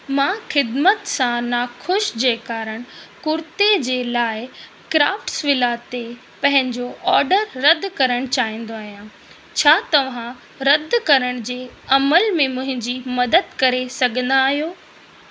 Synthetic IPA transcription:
mãːxɪd̪mət̪sãnaxʊʃd͡ʑeːkaːɾəɽ̃kʊɾt̪ed͡ʑeːlaːɪ | kɾaːfʈsʋɪlaːt̪e | pɐ̃ɦɪ̃ɲd͡ʑoʔɔːɾɖəɾːɐd̪kɐɾəɽ̃t͡ɕaːɦĩːn̆d̪oaːɦijã | t͡ɕʰaːt̪ɐʋ̤ã | ɾɐd̪ʱkɐɾəɽ̃d͡ʑeːɐməlmẽmʊ̃ɦɪ̃ɲd͡ʑimɐd̪əd̪kɐɾesɐɡʱə̃n̆d̪aːɦijoː

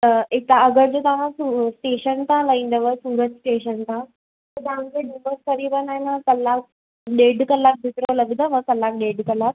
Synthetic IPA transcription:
əit̪aəɡəɾd͡ʑot̪ãʋasusʈeɕənt̪aləind̪əʋəsuːɾət̪sʈeɕənt̪a | t̪ət̪ãmd͡zeɖibəskəɾibənajnakəlːak̚ | ɖeːɖkəlːak̚bʱit̪ɾoləɡd̪əʋəkəlːak̚ɖeɖkəlak̚

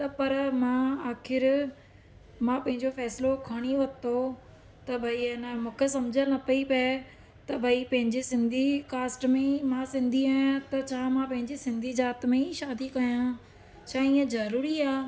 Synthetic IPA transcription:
t̪ɐpɐɾmãaːkʰɪɾ | mãpɐ̃ɦɪ̃ɲd͡ʑofɛːslokʰɐɽ̃iʋɐt̪o | t̪ɐbʱɐiɪnəmũːkʰesɐmd͡ʑʱə̃nɐpɐipː | t̪ɐbʱɐipɐ̃ɦɪ̃ɲd͡ʑesɪ̃nd̪ʱikaːsʈmẽimãsɪ̃nd̪ʱiaːãt̪ɐt͡ɕʰãːmãpɐ̃ɦɪ̃ɲd͡ʑesɪ̃nd̪ʱid͡ʑaːt̪mẽiʃaːd̪ikɐjã | t͡ɕʰaːĩːə̃zɐɾuːɾiaː

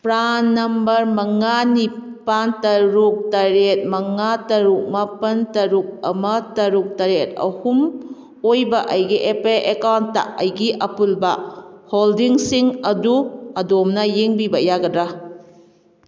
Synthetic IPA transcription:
pɾanːɐmbɐɾmɐŋani | pantɐɾuk̚tɐɾet̚mɐŋatɐɾuk̚mɐpɐntɐɾuk̚ɐ̰mɐtɐɾuk̚tɐɾet̚ɐ̰hum | ojbɐʔɐjɡiʔepelʔekawntːa̰ʔɐjɡiʔɐpulbɐholdiŋsiŋɐduɐdomnɐjeŋbibɐjaɡɐdɾa

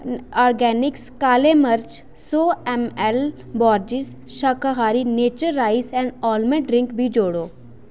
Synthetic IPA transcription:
ɔːɾɡɛːnɪkskaːleməɾt͡ʃ | soːɛmɛl | bɔːɾd͡ʒɪs | ʃɐkaɦaːɾineːt͡ʃəɾːaːɪsɛ̃ːɳɖɔːlmẽɖɾɪ̃ŋkbʱid͡ʒoːɽoː

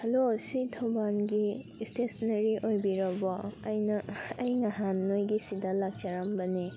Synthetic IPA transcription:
hɐlosit̪ʰɔbanɡi | stesnɐɾiʔojbiɾɔbɔɐjnɐːjŋaɦanːojɡisidɐlaɡ̚t͡ʃaɾambɐni

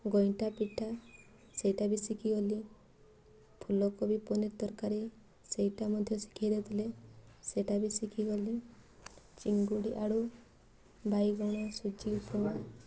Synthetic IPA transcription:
ɡɔjʈapiʈʰa | sejʈabisikʰiɡɔli | pʰulɔkɔbipɔnet̪ɔɾkaɾi | sejʈamɔd̪ʱjɔsi̥kʰajd̪at̪ʰileseʈabisikʰiɡɔli | t͡ʃiŋɡuɽiʔaɽu | bʱajɡɔɽ̃ɔsud͡ʒiupɔɽ̃a

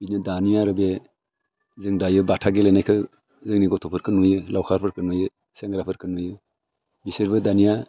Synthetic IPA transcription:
binɯdanijaɾɯbe | zɯŋdajɯbatʰaɡelenajkʰɯ | zɯŋniɡɔtʰɔpʰɯɾkʰɯnujɯlawkʰaɾpʰɯɾkʰɯnujɯ | seŋɡɾapʰɯɾkʰɯnujɯ | bisiɾbɯdanija

